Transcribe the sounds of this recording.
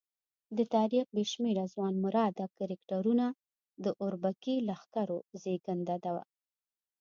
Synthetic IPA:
d̪ət̪ɑɾiq̚beʃmeɾazwɑnmʊɾɑd̪akaɾɪkʈaɾuna | d̪əʔʊɾbakilaxkaɾozeɡand̪ad̪awa̰

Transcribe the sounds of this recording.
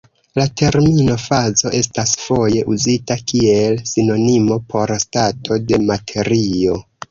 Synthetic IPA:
latʰe̞ɾmino̞fazo̞ʔe̞stasfo̞je̞ʔuzitakie̞lsino̞nimo̞pʰo̞ɾstatʰo̞de̞matʰe̞ɾio̞

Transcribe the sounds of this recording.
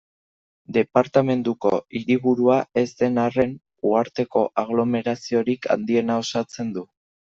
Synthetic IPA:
d̪e̞paɾt̪ame̞nd̪uko̞iɾiβuɾuae̞zd̪e̞nare̞n | uaɾt̪e̞ko̞ʔaɣ̞lo̞me̞ɾasio̞ɾikʰa̰nd̪ie̞nao̞sat͡se̞nd̪u

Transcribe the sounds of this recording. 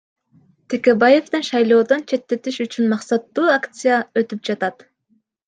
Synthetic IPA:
t̪ʰekʲebaje̞ft̪ɯnʃɑjlˠo̞ːd̪ont͡ʃʰe̞t̪ːe̞t̪iʃyt͡ʃynmɑqsɑt̪ːuːakt̪sɨjaø̞t̪yp̚d͡ʒɑt̪ɑt̪

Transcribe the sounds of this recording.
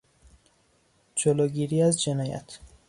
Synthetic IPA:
d͡ʒoloːɡiːɾiːæzd͡ʒenɒːjæ̰t̪ʰ

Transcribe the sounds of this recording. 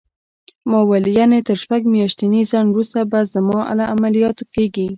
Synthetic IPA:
mɑwalijanet̪əɾʃpaɡmjɑʃt̪inizanwɾust̪abazamɑʔa̰laʔamalijɑt̪okeɡi

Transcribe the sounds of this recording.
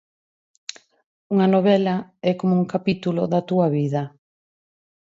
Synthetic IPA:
uŋɐnoβɛlɐɛkomouŋkapit̪uloðɐt̪uɐβiðɐ

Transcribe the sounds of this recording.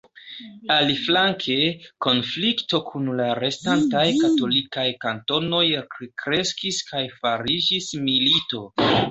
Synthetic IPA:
aliflaŋkʰe̞ko̞nflikto̞kʰunlaɾestantajkato̞likajkanto̞no̞jkɾe̞skiskʰajfaɾid͡ʒismilito̞

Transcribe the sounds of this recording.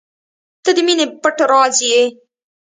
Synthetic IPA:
t̪əd̪əminepəʈaɾɑzije

